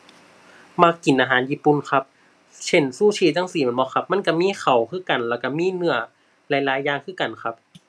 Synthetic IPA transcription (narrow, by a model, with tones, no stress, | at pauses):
ma˧˥kːi˨˦nʔaː˧ɦaː˨˦njiː˧˥˩pːu˧˨nkʰa˦˥p̚ | t͡ɕʰe˧˥˩nsuː˧˥˩t͡ɕʰiː˧˩t͡ɕa˧˥˨ŋsiː˧˦mɯ˨˦bɔː˧xʰa˦p̚ma˧˥˨nka˧˩miː˧˥˨xʰa˨˩wkʰɯː˥˨ka˨˩nlɛː˧˩wka˧˩miː˧˥˨nɯ˧˩ɐ | la˧˦jlaː˨˦jːaː˧ŋkʰɯː˥˩˨ka˨˩nkʰa˦˥p̚